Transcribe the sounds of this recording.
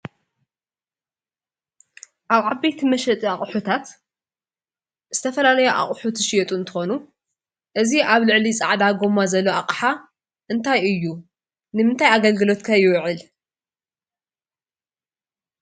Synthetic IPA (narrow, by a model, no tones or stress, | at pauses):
ʔaβʕabejt̪ʰimɐʃɐt̪ʼiaχʼħut̪ʰat̪ | z̥ɨt̪ʰɐfɐlalɐjoʔa̰χʼħut̪ʰɨʃjɛt̪ʼuɨnt̪ʰɨxo̞nu | ʔɨziʔaβlɨʕlit͡sʼa̰ʕd̪aɡo̞mazɐlːoaqʼħa | ʔɨnt̪ʰajɨjːu | nɨmɨnt̪ʰajaɡɐlɡɨlo̞t̪kʰajɪwʕɨl